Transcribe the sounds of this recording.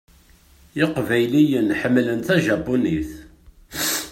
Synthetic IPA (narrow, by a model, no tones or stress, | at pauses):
ɪqvæjlijənħəmːlənt̪æʒæbuniθ